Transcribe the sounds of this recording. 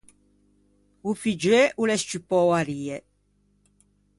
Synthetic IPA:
ufid͡ʒɾeʔulɛst͡ʃipɔwaɾiːe

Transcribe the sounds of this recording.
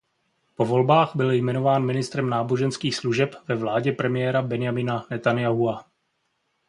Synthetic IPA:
po̞vo̞lbaːɣbɪljmɛno̞vaːnmɪnɪst̪ɾɛmnaːbo̞ʒɛnskiːxsluʒɛpvɛvlaːɟɛpɾɛmɪjɛːɾabɛnɪjamɪnanɛt̪anjaɦua

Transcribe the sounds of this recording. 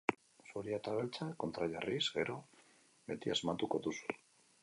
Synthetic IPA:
suɾiat̪aβe̞lt͡sako̞nt̪ɾaʎarizɡe̞ɾo̞ | βbe̞t̪iazmat̪uko̞ðusu̥

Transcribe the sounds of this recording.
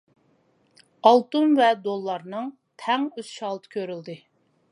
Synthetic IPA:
ɑlˠt̪umvɛd̪olˠːɑɾnɨŋ | t̪ʰɛŋøz̥ʃɑlˠt̪ʰɨ̥kʲʰøɾyld̪ɨ

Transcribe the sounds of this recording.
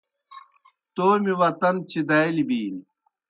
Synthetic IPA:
t̪oːmiwɐt̪ɐnt͡ɕid̪ɐjlibiːni

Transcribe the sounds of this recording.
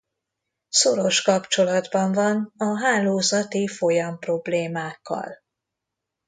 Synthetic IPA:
so̞ɾo̞ʃkɒpt͡ʃo̞lɒd̪bɒɱvɒnɒɦaːloːzɒt̪ifo̞jɒmpro̞bleːmaːkːɒ̰l

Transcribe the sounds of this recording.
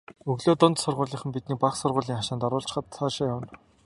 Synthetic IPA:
ɵɣɮoːt̪ʊnt̪sʊrʁʊːɮiːχə̆mpit̪̚niːk̚paχsʊrʁʊːɮiːŋχaʃaːnt̪ɔɾʊːɬt͡ɕ̆χə̆t̪sʰaːʃaːjʊn

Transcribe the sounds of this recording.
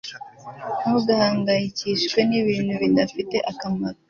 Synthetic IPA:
muɡahaːŋɡajiciʃkwe̞niβiːnuβindafite̞ʔakamaɾo

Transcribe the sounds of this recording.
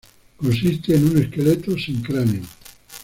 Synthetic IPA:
kõns̬ist̪einuneskelet̪ːosiŋkɾɛmiŋ

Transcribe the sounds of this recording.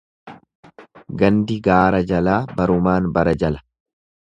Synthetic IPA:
ɡɐnd̪ɪɡaːɾɐd͡ʒɐlaːbɐɾʊmaːnbɐɾɐd͡ʒɐlɐ̥

